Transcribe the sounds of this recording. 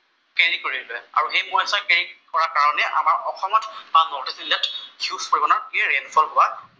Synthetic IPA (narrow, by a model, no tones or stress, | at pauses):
keɹikoɹidilɛa̰ɹuxejmɔjasakeɹikɔɹakaɹɔnɛʔa̰maɹɔxɔmɔtbanɔtisilɛthiufkoɹibɔnaɹkiɹenfʰɔlɦʊa